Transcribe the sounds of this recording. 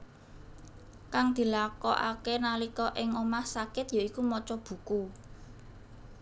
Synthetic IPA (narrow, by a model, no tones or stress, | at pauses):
kaŋd̪̥i̤lakɔʔa̰kenalikɔʔɪŋomahsakɪt̪jaikumɔt͡ʃɔb̥ṳku